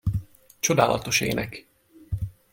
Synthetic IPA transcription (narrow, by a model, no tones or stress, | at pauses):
t͡ʃo̞d̪aːlɒ̰t̪o̞ʃḛːnɛk